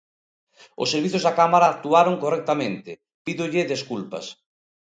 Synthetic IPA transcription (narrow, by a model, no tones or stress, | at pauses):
o̰sːeɾβ̞iθjozðakamaɾaːk̚t̪uaɾoŋkorɛk̚t̪amẽnt̪ɪ | piðʊʎɪðeskulpɐ̰s